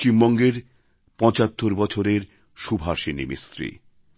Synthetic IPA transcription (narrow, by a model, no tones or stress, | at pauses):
imbɔŋɡeɾ | pɔ̃t͡ɕat̪ːoɾbɔt͡ɕʰoɾeɾ | ʃubʱaɾʃinḭmḭst̪ɾḭ